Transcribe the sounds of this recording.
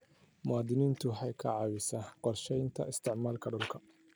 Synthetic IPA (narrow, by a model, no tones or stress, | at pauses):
mʊɑːd̪ɪniːnt̪ʰʊħɑjkʰɐ̰ʕɑwɪsɐqɔrʃɛjnt̪ʰɐ̰ɪst̪ʰɪʕmaːlkʰɐɖʊlkʰɐ